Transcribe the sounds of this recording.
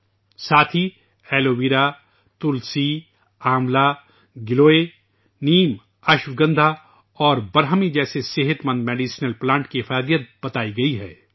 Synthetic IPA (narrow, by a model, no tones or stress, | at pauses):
saːt̪ʰi | ɛːloːʋiːɾa | t̪ʊlsi | aːmla | ɡɪloːe | niːm | ɐʃʋɡɐ̃nd̪ʱa | ɔːɾbɐɾɦəmid͡ʒɛːseseɦət̪mɐ̃nd̪meːɖiːsnəlplãːɳʈkifaːd̪ijət̪̚b̥ɐt̪aːiɡɐiɦɛ̰ː